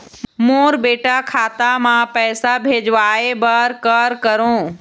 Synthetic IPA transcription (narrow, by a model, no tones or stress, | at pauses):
moːɾbeːʈakʰaːt̪amãpɛːsabʱeːd͡ʑʋaːebəːɾkəɾkɐɾõː